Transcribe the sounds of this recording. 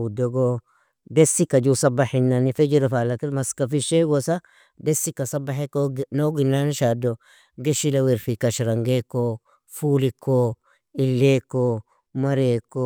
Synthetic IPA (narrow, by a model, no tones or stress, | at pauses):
udoɡo | desːikɐd͡ʒusɐbːaħinːanifed͡ʒiɾafaːlakiɾmɐskafiʃeɡosa | desːikɐsɐbaħekoɡnoɡinːaniʃado | ɡeʃilaweɾfikɐʃɾɐŋɡekːo | fuːliko | ɪlːeko | mɐɾekːo